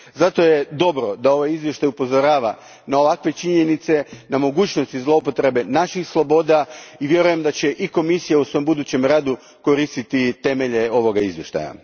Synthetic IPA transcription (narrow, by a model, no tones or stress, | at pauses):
zat̪o̞je̞d̪o̞bɾo̞d̪ao̞ʋajizvje̞ʃt̪ajupo̞zo̞ɾaːʋa | nao̞ʋakʋe̞t͡ʃiɲe̞nit̪se̞namo̞ɡuːt͡ɕnost̪izlˠo̞upo̞t̪ɾe̞be̞naʃixslˠo̞bo̞d̪aiʋje̞ɾuje̞md̪at͡ɕe̞ʔiko̞misijausʋo̞mbud̪uːt͡ɕe̞mɾaːd̪u | ko̞ɾist̪it̪it̪e̞me̞ʎe̞o̞ʋo̞ɡaizje̞ʃt̪a̰ja̰